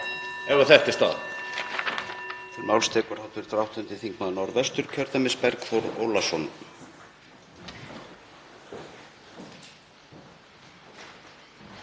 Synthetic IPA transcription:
ɛvaθɛht̪ɪst̪θa̰ð | θɪɾmawlst̪ʰɛːkʏɾ̥hawt̪ɪɾ̥θɾawht̪ʏnt̪ɪθiŋkmaðnɔɾðɛst̪ʏɾ̥cʰœɾt̪amɪspɛɾkfɔwɾo̰wlasɔn

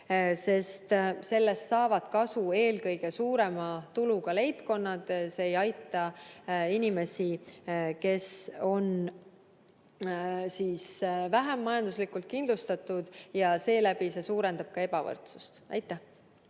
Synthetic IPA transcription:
se̞st̪se̞lːe̞st̪sɑːvɑd̪̥kɑsue̞ːlkɤjɡ̥e̞suːɾe̞mɑt̪uluɡ̥ɑle̞jpko̞nːɑt̪se̞ːjɑjt̪ːˑɑinʲime̞sike̞so̞n | siːsvæɦæmːɑjɑnd̪̥uslikːˑult̪̚kind̪lust̪ɑt̪ːˑud̪̥jɑse̞ːlæbise̞suːɾe̞nd̪ɑb̥̚kɑe̞bɑvɤ̰rt̪su̥st̪æjt̪ːˑæh

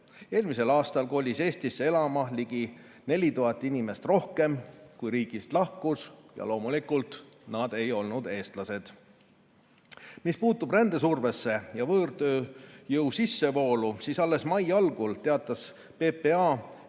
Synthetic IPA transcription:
e̞ːlmise̞lɑːst̪ɑlko̞ːlʲise̞ːst̪isːee̞lɑmɑliɡ̥i | ne̞lʲit̪uɦɑt̪ːˑinimest̪ro̞hke̞mkujɾiːɡ̥ist̪lɑhkusjɑ̰lo̞ːmulikult̪ | nɑd̪̥e̞jo̞lnud̪e̞ːst̪lɑse̞d̪̥ | mispuːt̪ːˑub̥rænd̪̥esurve̞sːe̞jɑvɤːrd̪ø̞ːjɤwsisːe̞vo̞ːlusiːsɑlːe̞smɑjɑlɡult̪e̞ɑt̪ːˑɑs | pe̞pe̞ɑ

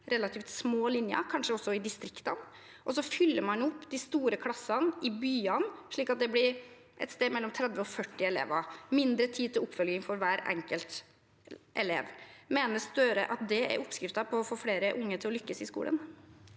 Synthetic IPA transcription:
ɾɛlːɑt̪ʰiːft̪smoːlɪnjə̰kʰɑnʂəɔsːɔɪd̪ɪst̪ɾɪkt̪ɑn | ʔɔsɔfʏlːəɾmɑnʊpːd̪ɪst̪uːɾəkʰlɑsɑnɪbyːɑnʂɭiːkɑt̪̚d̪ɛblɪɾ | ʔɛ̰t̪st̪eːd̪mɛlːɔmt̪ʰɾɛd̪ʋəɔfœʈːɪɛlḛːʋɑmɪnd̪ɾət̪ʰiːd̪̚t̪ʰɪlʊpːfœlɡɪŋfɔɾʋæːɾɛ̰ŋkəlt̪ | ʔɛlḛːʋmeːnəst̪øɾə̰ʔɑt̪̚d̪ɛæ̰ɾʔʊpːskɾɪft̪ɑpʰɔːfoːfɽeːɾəʔʊŋːət̪ʰɪlɔlʏkːəsɪskṵːlʔə̰n

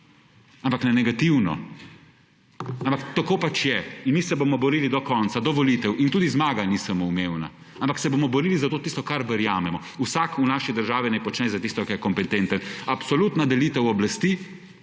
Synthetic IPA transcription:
ampaknɛnɛɡat̪iwnɔ̰ | ampakt̪akoːpat͡ʃjɛinmisɛbomɔbɔɾiːlid̪ɔkɔnt̪sad̪ɔʋɔlit̪ɛwʔint̪uːd̪izmaːɡanisamoumewna̰ | ampaksɛbomɔbɔɾilizat̪oːt̪ist̪ɔkaɾʋəɾjaːmɛmɔ | usakunaːʃid̪əɾʒaːʋinajpɔt͡ʃnɛzat̪ist̪ɔkɛɾjɛkɔmpɛt̪ent̪ənapsɔlut̪nad̪ɛlit̪ɛwɔblast̪i

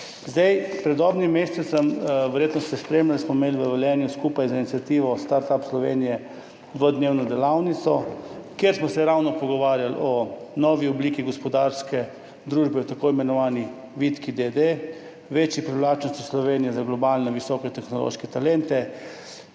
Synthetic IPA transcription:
zd̪ajpɾɛd̪ɔbnimːesɛt̪səmʋɛɾjeːt̪nɔsɛspɾemljalsmɔimeːlʋəʋɛljɛːnjuskuːpajzainit̪sʲat̪iːʋɔst̪aɾt̪apslɔʋenijɛ | ʋəd̪neːwnɔd̪ɛlawnit̪sɔkjeɾsmɔsɛɾawnɔpɔɡɔʋaːɾjalɔnɔʋiɔbliːkiɡɔspɔd̪aɾskɛ | d̪ɾuːʒbɛɔt̪akoimɛnɔʋaːni | ʋit̪kid̪ed̪e | ʋet͡ʃjipɾiʋlaːt͡ʃnɔst̪islɔʋeːnijɛzaɡlɔbaːlnɛʋisɔkɛt̪ɛxnɔlo̰ʃkɛt̪alɛnt̪ɛ

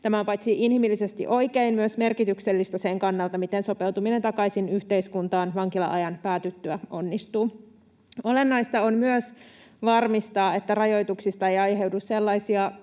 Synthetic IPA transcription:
t̪æmæpɑjt̪siʔinhimilːisest̪ḭʔo̞ikeinmyøsme̞rkit̪ykselːist̪æseŋkɑnːɑlt̪ɑmit̪enso̞pe̞wt̪umine̞nt̪ɑkɑisinyht̪e̞iskunt̪ɑːnʋɑŋkilɑ̰ʔɑjɑnpæːt̪yt̪ːyæʔo̞nːist̪uː | o̞le̞nːɑist̪ɑonmyøs | ʋɑrmist̪ɑːe̞t̪ːærɑjo̞jt̪uksist̪ɑejɑjɦe̞wdusse̞lːɑisiɑ

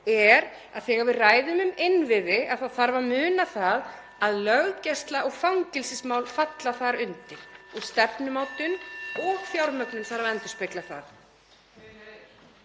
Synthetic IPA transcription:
ɛɾ | a̰ðθɛːɣaɾvɪðraːjðʏmʏmɪnvɪðɪʔaðθawθaɾvaɾmʏːnaθað | aðlœɣcɛst̪laʔɔɣfaŋcɪlsɪsmaːwlfat̪laθaɾʏnt̪ɪɾ̥ust̪ɛpnʏmaːwt̪ʏnɔɣθjawɾmœknʏmθaɾavɛnt̪ʏ̥spɪjt̪laθa̰ɾ

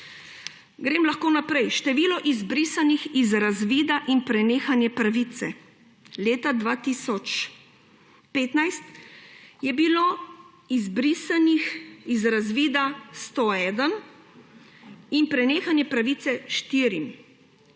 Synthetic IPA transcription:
ɡɾeːmlaxkoːnapɾɛjʃt̪ɛʋiːlɔʔizbɾiːsanixizɾazʋiːd̪aʔinpɾɛneːxanjɛpɾaʋit̪sɛ | leːt̪ad̪ʋaːt̪isɔt͡ʃ | peːt̪najst̪ | jɛbilo | izbɾisanixizɾazʋiːd̪ast̪oːɛːd̪ən | inpɾɛneːxanjɛpɾaʋiːt̪sɛʃt̪iɾim

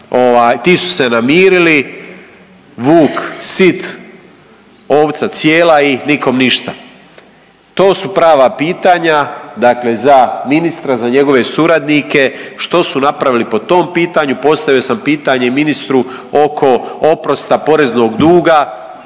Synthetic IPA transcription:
o̞ʋaːjt̪iːsu̥se̞namiːɾili | ʋuːksit̪ | o̞ːʋt̪sat̪sjeːlainiko̞mniʃt̪a | t̪o̞ːsupɾaːʋapiːt̪aɲad̪akle̞zaminist̪ɾazaɲe̞ɡo̞ʋe̞suɾad̪nike̞ʃt̪o̞sunapɾaʋilipo̞t̪o̞ːmpiːt̪aɲupo̞st̪aʋijo̞sampiːt̪aɲe̞minist̪ɾu | okʰo̞o̞pɾo̞st̪apo̞ɾe̞zno̞ɡd̪uːɡa

